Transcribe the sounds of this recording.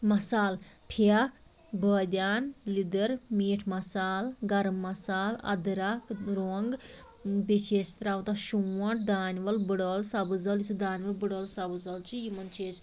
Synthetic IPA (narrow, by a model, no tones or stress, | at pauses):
mɐsaːlpʰak | bəːd̪ʲjaːnlid̪əɾmiːʈʰmɐsaːlɡɐɾmːɐsaːlɐ̰d̪ɾakɾoːŋɡ | bet͡ʃʰeːst̪ɾaːʋt̪aʃuwɐ̃ʈ̚d̪aːnʋɐlbɨɽəːlsabɨzɐlisʰɨd̪aːnʲʋɐlbɨɽəːlsɐbɨzɐlt͡ʃijimɐnt͡ʃʰeːs